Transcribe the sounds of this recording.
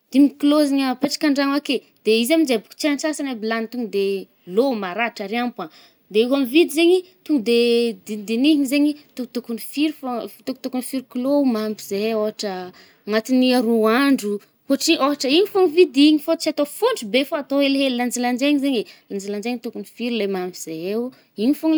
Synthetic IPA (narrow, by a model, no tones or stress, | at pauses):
d̪̥imikloziɲəpeʈ͡ʂḁkʲaɳɖ͡ʐaŋake | d̪̥eizamind͡ʒebuku̥t͡ʃant͡ʃasanabilanit̪uŋɡud̪e | lomaɾaʈ͡ʂaɾiampa | d̪eiɦamivid̪izeɲi | t̪uɡd̪ed̪id̪iniɦiɲizeɲit̪ut̪ukunifiɾifat̪uku̥t̪ukunifiɾiklomambizeoɦaʈ͡ʂə | ŋat̪iniaɾuaɳɖ͡ʐu | hoʈ͡ʂiʔoɦaʈ͡ʂəiɲifoŋivid̪iɲifot͡ʃat̪ofuɳɖ͡ʐubefaat̪oeleɦeliland͡ʒiland͡ʒeɲizeɲeland͡ʒiland͡ʒeɲit̪ukunifiɾulemambiz̥ee | iɲifuŋ